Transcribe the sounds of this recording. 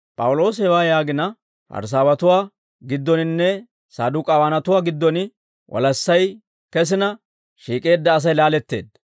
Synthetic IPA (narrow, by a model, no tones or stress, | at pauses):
pʼɐwʊlo̞ːsɛwaːjaːɡɪnɐ | fɐ̰ɾs̬aːwɐt̪ʊwaː | ɡɪd̪ːɔnɪnːɛ | saːd̪ʊkʼɐwaːnɐt̪ʊwaːɡɪd̪ːɔnɪ | wʔɔ̰lɐsːɐj | kɛs̬ɪnɐ | ʃiːkʼe̞ːd̪ːɐːs̬ɐjlaːlɛt̪ːe̞̰ːd̪ɐ